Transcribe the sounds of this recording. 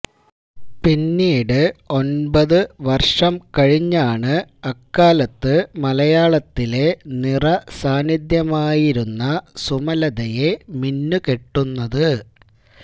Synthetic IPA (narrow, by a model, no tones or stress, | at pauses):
pinːiːɽɨo̞nbɐðɨʋɐrʂɐmkɐɻiɲːaːɳɨɐkːaːlɐt̪ːɨmɐlɐjaːɭɐt̪ːile̞nirɐsaːnid̪jɐmaːjiɾunːɐsumɐlɐðɐje̞minːukeʈːunːɐðɨ